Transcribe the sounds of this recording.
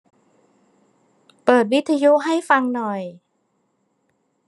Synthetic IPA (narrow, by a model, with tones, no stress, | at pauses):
pɤː˨˩t̪̚wi˦˥t̪ʰːa˧juː˦˥ɦa˥˩jfa˧ŋnɔ˨˩j